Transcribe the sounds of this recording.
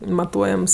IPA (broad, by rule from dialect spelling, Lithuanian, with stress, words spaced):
mɐˈtuɔjɛms